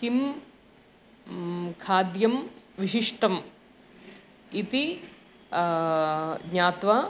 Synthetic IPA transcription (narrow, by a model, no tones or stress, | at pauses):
kim | kʰaːd̪jɐm | ʋiʃiʂʈɐm | it̪i | ɡɲaːt̪ʋa